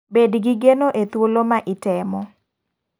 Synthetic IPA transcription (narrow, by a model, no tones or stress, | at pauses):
bedɡiɡenoʔet̪wolomaʔɪtɛmɔ